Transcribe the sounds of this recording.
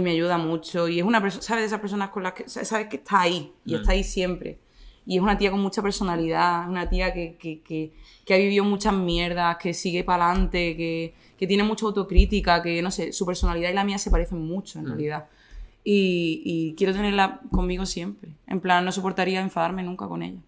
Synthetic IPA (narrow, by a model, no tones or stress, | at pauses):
imeaʝuðamut͡ʃo̞ie̞sunape̞ɾsosaβe̞ðesapes̬o̞nahko̞nlakesaesaβehkeht̪ʰaːiiet̪aisje̞mpɾe̞̰ | ie̞sunat̪iako̞ŋmut͡ʃape̞ɾso̞naliðaesunat̪iake̞keke | keaβiβ̞iðomut͡ʃaɦmje̞ɾðahke̞siɣe̞palant̪e̞ke̞ | ke̞t̪je̞nemut͡ʃawt̪o̞kɾit̪ikake̞no̞se̞supe̞ɾso̞naliðailamiase̞paɾe̞θeŋmut͡ʃoenrealiða | iikje̞ɾoe̞ne̞ɾlako̞mmiɣo̞sje̞mpɾeḛmplanːo̞s̬opo̞ɾt̪aɾiae̞ɱfaðaɾmẽ̞nũŋkako̞nḛʎa